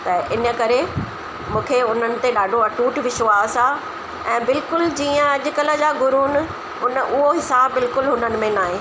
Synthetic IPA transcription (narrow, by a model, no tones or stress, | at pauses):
t̪ɐʔɪnə̆kɐɾe | mũːkʰeʊn̤ənɪ̆t̪eɗaːɖʱoɐʈuːʈʋɪʃoaːsaː | ɛ̃ːbɪlkʊld͡ʑiːə̃ɐʄʊ̆kɐlə̆d͡ʑaːɡʊɾuːn | ʊnəʔʊɦoɦɪsaːbːɪlkʊlɦʊnənɪ̆mẽnaːɦeː